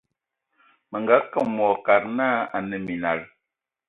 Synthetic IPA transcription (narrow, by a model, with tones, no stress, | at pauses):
mə˨ŋɡa˨˦ka˦˨mɔ˨ka˨ɾna˦a˨nə˨mi˨na˨ɾ